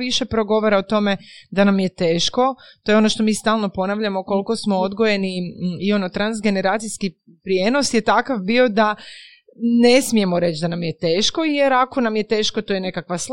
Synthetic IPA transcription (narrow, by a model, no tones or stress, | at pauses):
tʋiʃepɾo̞ɡo̞ʋoɾaot̪o̞me̞d̪anamje̞t̪e̞ːʃko̞t̪o̞jo̞no̞ʃt̪o̞miːst̪aːlˠno̞po̞naʋʎamo̞ko̞lko̞smood̪ɡoje̞niio̞no̞t̪ɾanzɡe̞ne̞ɾaːt̪sijski | pɾije̞no̞sje̞t̪akaʋbio̞d̪a | ne̞smije̞moɾe̞t͡ʃd̪anamjet̪eːʃko̞jeɾako̞namjet̪e̞ːʃko̞t̪ojene̞kakʋas